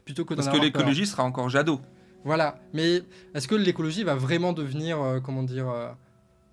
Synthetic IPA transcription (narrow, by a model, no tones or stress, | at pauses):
plyt̪okəd̪asakəlekɔlɔʒisəʁaɑ̃kɔʁʒad̪o | vwalamɛɛskəlekɔlɔʒivavʁɛmɑ̃d̪əvniʁøk̬ɔmɑ̃d̪iʁø